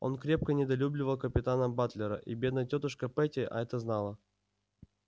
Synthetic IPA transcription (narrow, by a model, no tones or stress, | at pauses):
o̞̰nkɾʲe̞p̚kənʲɪd̪ɐlʲublʲɪvəlˠkəpʲɪt̪anəbat̪lʲɪɾə̰ʔibʲed̪nəjtʲot̪əʂkəpɛtʲɪʔɐ̰ɛt̪əznalˠə